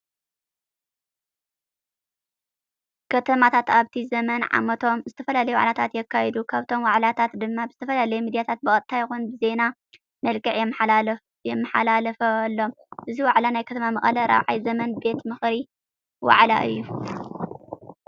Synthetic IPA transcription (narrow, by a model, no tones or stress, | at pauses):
kʰɐt̪ʰɐmat̪ʰat̪aβt̪ʰizɐmɐnʕa̰mɐt̪ʰo̞mzɨt̪ʰɐfɐlalɐjuwa̰ʕlat̪ʰat̪jɛkʰːajɛd̪ukʰaβt̪ʰo̞mwaʕlat̪ʰat̪d̪ɨmːabɨzɨt̪ʰɐfɐlalɐjɛmid̪ijat̪ʰat̪̚bɨɐt̪t̪ʰːajɪxunbɨze̞na | mɐlkʼɨʕ | jɛmːɨħalalɐfɐlːo̞m | ʔɨziwaʕlanajkʰɐt̪ʰɐmamɐχʼɐlɐɾa̰βʕajzɐmɐnbe̞t̪mɨxɾi | wa̰ʕla̰ʔɨ̰jːu